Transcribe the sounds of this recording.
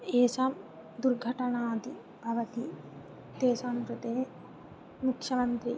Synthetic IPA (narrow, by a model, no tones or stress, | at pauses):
eːsam | d̪uɾɡʱɐʈɐɳaːd̪i | bʱɐʋɐt̪i | t̪eːsamɾut̪eː | mukʂɐmɐnt̪ɾḭ